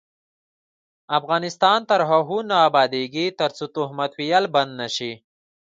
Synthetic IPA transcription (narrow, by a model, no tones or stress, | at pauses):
afɣɑːnɪst̪ɑːnt̪ɐɾɦaɦunaːbɑːd̪eɡit̪ɐɾt͡sut̪uhmɐt̪wijalbɐnd̪naʃi